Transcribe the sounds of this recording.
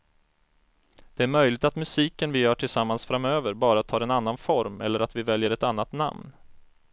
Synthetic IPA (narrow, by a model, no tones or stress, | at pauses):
d̪̥ɛæɾmœjlɪɡ̚t̪at̪mɵsiːkənvɪjœːʈʰɪlsamːansfɾamøːvəɾbɑːɾat̪ʰːɑːɾɛnanːanfɔɾmɛ̰lːəɾat̪vɪvɛljəɾɛt̪anːat̪na̰mn